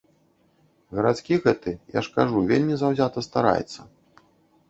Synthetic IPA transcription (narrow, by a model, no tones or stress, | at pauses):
ɣɐɾat̪skʲiɣɛt̪ɨja̰ʂkaʐuvʲelʲmʲizawzʲat̪ɐst̪aɾa̰jɛ̰t̪sːɐ